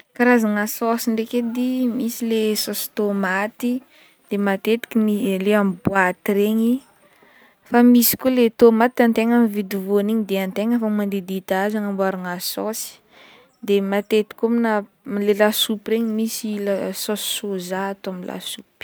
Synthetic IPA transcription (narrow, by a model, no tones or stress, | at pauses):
kaɾazaŋasɔsiɳɖ͡ʐeked̪imisilesɔsi̥t̪omat̪i | d̪̥emat̪et̪i̥kimileamibuat̪iɾeɲi | famisi̥kulet̪omat̪ant̪eŋamivid̪ivoniɲid̪eant̪eɲafamand̪ed̪it̪azaŋambuaɾaŋasɔsi̥ | d̪emat̪et̪i̥kʲomina | lelasupiɾeɲimisilasɔsi̥sozaːt̪oamilʔa̰sup